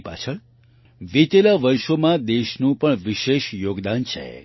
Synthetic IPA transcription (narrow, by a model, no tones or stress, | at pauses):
pa̰t͡ʃʰəɭ | ʋit̪elaʋəɾʃomãd̪eʃnũpəɳʋiʃeʃjoɡd̪ant͡ʃʰḛ